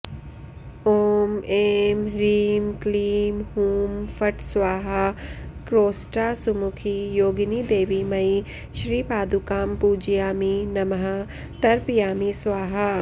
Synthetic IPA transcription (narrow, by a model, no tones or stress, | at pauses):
oːmeːmɾiːmkliːmhuːmfʰɐʈsʋaːɦakɾoːsʈaːsʊmʊkʰijoːɡnid̪eːʋimɐi | ʃɾiːpaːd̪ukaːmpuːd͡ʒijaːminɐmɦa | t̪ɐɾpjaːmisʋaːɦa